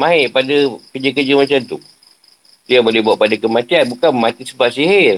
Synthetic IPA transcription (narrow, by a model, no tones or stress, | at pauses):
mãɦɪʔpadəkəd͡ʒəkəd͡ʒəmat͡ʃamt̪u | diabolehbuaʔpadakəmat̪ianbukanmat̪isəbaʔsiɦɪr